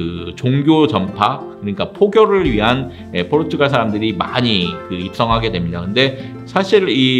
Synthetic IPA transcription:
ɯt͡ɕoŋɡjot͡ɕʌmpʰa | kɯɲik͈apʰoɡjʌɾɯɭɥiɦan | epʰoɾtʰɯɡasʰaɾamdɯɾima̰ɲikɯip̚s͈ʌŋɦaɡe̞dwe̞mɲidakɯnde̞ | sʰaɕʰiɾi

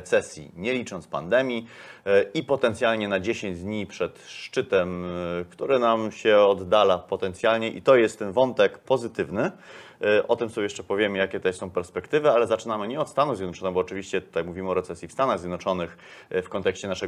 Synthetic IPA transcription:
t̪sɛsʲjḭɲɛlʲit͡ʂɔnt̪spa̰nd̪ɛmʲji | ipɔt̪ɛnt̪sʲjalɲɛnad͡ʑeɕẽɲd͡ʑd̪ɲipʂɛt̪ʂt͡ʂɘt̪ɛmkt̪uɾɘnamɕɛɔd̪ːalapɔt̪ɛnt̪sʲjalɲɛʔḭt̪ɔjɛst̪ːɛnvɔnt̪ɛkpɔzɘt̪ɘvnɘ | ʔɔt̪ɘmsɔbʲjɛʂt͡ʂɛpɔvʲjemɘjakʲɛt̪ɛsɔ̃w̃pɛɾspɛkt̪ɘvɘalɛzat͡ʂɘnamɘɲɛɔt̪st̪anuvzʲjɛd̪nɔt͡ʂɔnɨɣbɔːt͡ʂɘvʲiɕt͡ɕɛt̪t̪ajakmuvʲimɘɔɾɛt̪sɛsʲjifst̪anaɣzʲjed̪nɔt͡ʂɔnɘx | fkɔnt̪ɛkɕt͡ɕɛnaʂɛ

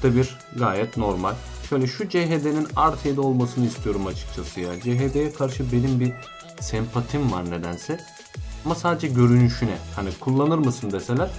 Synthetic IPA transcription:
d̪abiɾ | ɡaːjɛt̪no̞ɾmalʲʃø̞jlʲɛʃud͡ʒeɦed̪e̞ninaɾt̪ʰed̪ɛo̞lˠmasɯnɯist̪ʰijo̞ɾumat͡ʃʰɯ̥k̚t͡ʃʰasɯja̰nd͡ʒeɦed̪ejɛkʰaɾʃɯbe̞nimbiɾ | sɛmpʰat̪ʰimva̰ɾne̞d̪ænsɛ | amasaːd̪ed͡ʒɛɟø̞ɾynyʃynɛhanikʰulˠːanɯɾmɯsɯnd̪eselʲæɾ

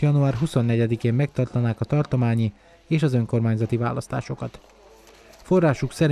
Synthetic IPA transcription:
jɒnuaːrɦuso̞nːɛɟɛd̪ikeːmːɛkt̪ɒrt̪ɒnaːkɒt̪ɒrt̪o̞maːɲi | eːʃɒzø̞ŋko̞rmaːɲzɒt̪iva̰ːlɒst̪a̰ːʃo̞kɒt̪ | fo̞rːaːʃuksɛɾ

